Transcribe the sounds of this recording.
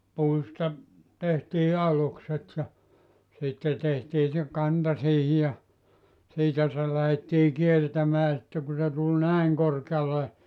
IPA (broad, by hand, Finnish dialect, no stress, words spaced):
puistɑ tehtiː ɑlukset jɑ sitːe tehtiː se kɑntɑ siːhi jɑ siːtæ se læhetːiː kiertæmæː sitːe ku se tul næiŋ korkeɑle